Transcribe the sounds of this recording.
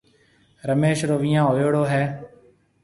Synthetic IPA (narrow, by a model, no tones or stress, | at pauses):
ɾəmeːʃɾoːʋɪjãːoːjoːɽoːɦɛː